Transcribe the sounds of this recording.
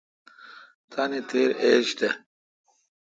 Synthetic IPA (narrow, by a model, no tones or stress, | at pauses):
t̪ʰaːnit̪ʰeːɾeːɕt̪e